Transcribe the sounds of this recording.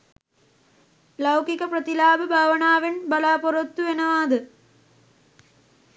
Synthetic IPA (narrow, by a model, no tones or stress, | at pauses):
lɐwkikɐprɐt̪ilaːbɨbʱaːʋɐɳaːʋenbɐlaːpoɾot̪ːuʋenɐʋaːd̪ɨ